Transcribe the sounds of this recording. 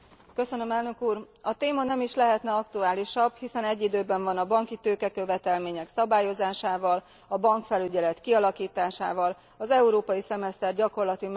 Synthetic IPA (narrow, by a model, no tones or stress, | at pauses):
kø̞sø̞nø̞mɛlnøkuːr | ɒt̪eːmɒnɛmiʃlɛɦɛt̪nɛɒkt̪uaːliʃɒbhisɛnɛɟːid̪øːbɛɱvɒnɒbɒŋkit̪øːkɛkø̞vɛt̪ɛlmeːɲɛksɒbaːjo̞zaːʃaːvɒl | ɒbɒŋkfɛlyɟɛlɛt̪kiɒlɒkiːt̪aːʃa̰ːvɒl | ɒzɛuɾoːpɒjisɛmɛst̪ɛrɟɒko̞rlɒt̪im